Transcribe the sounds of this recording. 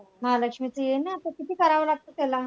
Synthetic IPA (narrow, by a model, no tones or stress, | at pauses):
maləkʂmit͡səjenaːt̪əkit̪ʰiːkəɾaʋəlaɡ̚t̪ot̪ela